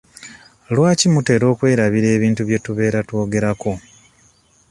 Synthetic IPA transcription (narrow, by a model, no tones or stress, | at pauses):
lwaːcimute̞ɾo̞ːkwe̞ːɾaβiɾe̞ːβiːntuβje̞tuβe̞ːɾatwo̞ːɡe̞ɾako̞